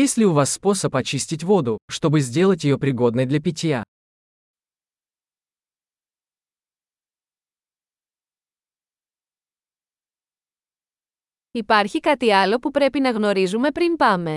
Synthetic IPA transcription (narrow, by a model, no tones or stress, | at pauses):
jesʲtʲlʲɪʊvasːpo̞səpɐt͡ɕisʲtʲɪtʲvo̞d̪ʊʂt̪o̞bɨzʲdʲe̞lˠət̬ʲjɪjo̞pɾʲɪɡo̞d̪nɨjd̪lʲɐpʲɪtʲja | ipɐɾçikɐt̪iɐlo̞pupɾe̞pinɐɣno̞ɾizume̞pɾinpɐme̞